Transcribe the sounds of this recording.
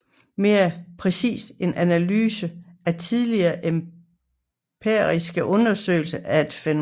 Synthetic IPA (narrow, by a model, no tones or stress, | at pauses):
me̝ːɐpʰʁɛsḭːse̝nʔænælyːsəæt͡sʰiðˠliɐːʔem | pʰeɐʁisɡ̥əʔɔ̽nɐsø̰ːɪlsəʔæe̝d̥fen